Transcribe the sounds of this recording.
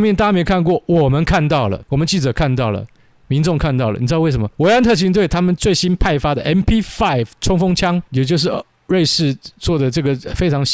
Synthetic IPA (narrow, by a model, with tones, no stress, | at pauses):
mjɛ˥˨nt̪a˥˧a˥me˧˥ɪkʰa˥˧nkwɔ˥˩wɔ˨˩mə˦nkʰa˥˧nt̪ɑ˥˩ʊlə̰˩wɔ˨˩mə˦nt͡ɕi˥˩t͡sɤ˨˩kʰa˥˧nt̪ɑ˥˩ʊlə̰˩ | mi˧˥nʈ͡ʂʊ˥˧ŋkʰa˥˧nt̪ɑ˥˩ʊlə̰˨ni˨˩˧we˥˩ɪʂə˧˦mɐə˧we˧˥ɪa˥nt̪ʰɤ˥˩t͡ɕi˧˥ŋt̪we˩ɪt̪ʰa˥mə˨nt͡swe˥˩ɪɕi˥npʰa˥˩ɪfa˥d̪ə˨ʔɛ˥npʰi˥fa˥˩ɪvʈ͡ʂʰʊ˥ŋfʊ˥ŋt͡ɕʰjɑ˥ŋjɛ˨˩t͡ɕjo˥˧ʊʂ̬ɻ̩˥˩ | ɻe˥˧ɪʂɻ̩˥˧t͡swɔ˥˩d̪ə˩ʈ͡ʂɤ˥˩ɡə˩fe˥ɪʈ͡ʂʰɑ˧˥ŋ